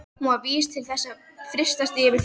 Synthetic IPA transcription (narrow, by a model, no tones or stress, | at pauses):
muaviːst̪ʰɪlθɛsːafɾɪst̪ast̪ɪɛvɪɾ̥